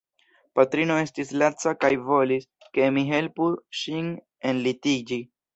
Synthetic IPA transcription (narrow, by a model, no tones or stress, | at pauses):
patɾino̞e̞stislat͡sakajvo̞lis | ke̞miɦe̞lpuʃin | e̞nlitid͡ʒi